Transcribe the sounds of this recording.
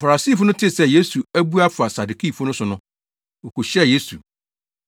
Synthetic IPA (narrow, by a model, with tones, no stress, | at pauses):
fa˨a˨si˦˨fʊ˦nʊ̃˦tʰɪ˦˨sɛ˦˨je˦su˨æ˦bu˦a˦fʊ˨a˨sa˨du˨kʰi˦˨fʊ˦nʊ̃˦sʊ˨nʊ̃˦ | o˨kʰo˨ɕɛ˦˨je˦su˨